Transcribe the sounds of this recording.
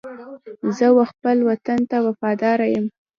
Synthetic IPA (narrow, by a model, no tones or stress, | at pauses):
zəwaxpəlwat̪ant̪awafɑd̪ɑɾajəm